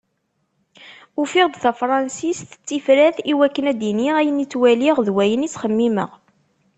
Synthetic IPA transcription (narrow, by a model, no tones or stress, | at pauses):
ʊfiʁd̪θæfɾˤɑnsisθə̥t͡sːifɾæθiwækːənæd̪iniʁæjənit͡sːwæliʁðwæjənit͡sːχəmːimə̰ʁ